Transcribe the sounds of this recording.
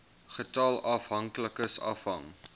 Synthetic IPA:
χətɑlɐfɦɐŋkləkəsɐ̰fɦɐ̰ŋ

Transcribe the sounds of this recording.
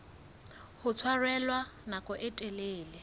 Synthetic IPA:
hʊt͡sʰwarɛlwanakʼɔʔɛtʼɛleːlɪ

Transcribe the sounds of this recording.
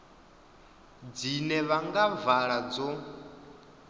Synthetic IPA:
d͡zinɛβaŋɡavaɺad͡zɔ

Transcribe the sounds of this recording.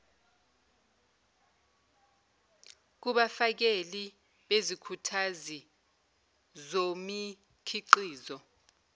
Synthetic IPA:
k̬uɓafak̬eli | ɓezikʰutʰazi | zomi | kʰiǃiːzɔ

